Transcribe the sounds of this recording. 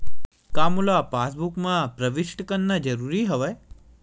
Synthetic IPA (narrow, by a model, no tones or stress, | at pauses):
kamulapasbukmãpɾəʋiʃʈkənːad͡ʒəɾuɾiɦəʋe